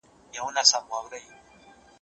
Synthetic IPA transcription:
jaunasamuaβɾej

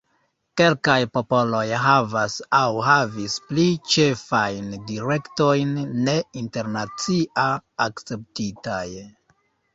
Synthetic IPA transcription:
ke̞lkajpo̞po̞lo̞jɦavasawɦavisplit͡ʃe̞fajndiɾe̞kto̞jnːe̞inte̞ɾnat͡siʔaːkt͡se̞p̚titaj

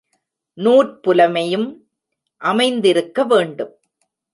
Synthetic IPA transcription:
nuːʈ̚pʊlɐmɐjɯm | ʔɐmɐɪnd̪ɪɾɯkːɐʋeːɳɖɯm

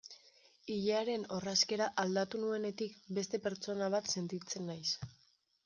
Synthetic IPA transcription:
iʎeaɾe̞no̞raske̞ɾaʔald̪at̪unue̞ne̞t̪ikbe̞st̪e̞pe̞ɾt͡so̞naβ̞at̪se̞nt̪it͡se̞nːajs

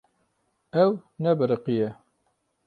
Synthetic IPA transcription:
ɛwnɛbɨɾəqijɛ

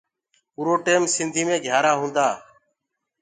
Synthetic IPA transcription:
uːɾoːʈeːmsɪ̃nd̪ʱiːmẽːɡʱjaːɾaːɦũːnd̪aː

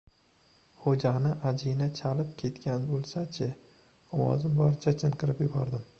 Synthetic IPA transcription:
hod͡ʒanɪʔad͡ʒinat͡ʃʰalɪp̚kʲʰe̞t̪kʲʰanbolˠsat͡ʃʰɪ | ɒwɒ̰zɪmbɒɾt͡ʃʰat͡ʃʰɪnqʰɨɾɪpjʊbɒɾd̪ɪm

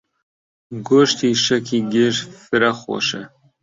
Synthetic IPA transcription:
ɡoʃt̪iːʃɛkʰiɡɪʃfɨɾɐxo̰ːʃɛ

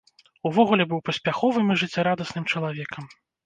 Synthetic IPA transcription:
uvɔɣulʲɛbɨwpɐsʲpʲaxɔvɨmiʐɨt͡sʲːaɾad̪ɐsnɨmt͡ʂɐlˠavʲɛkʰɐm

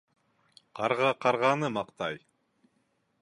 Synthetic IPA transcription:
qʰɑɾʁɑqʰɑɾʁɑnɯmɑqt̪ɑj

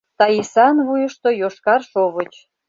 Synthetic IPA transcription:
t̪ɑjisɑnβujə̆ʃt̪ojoʃkɑrʃoβət͡ɕ

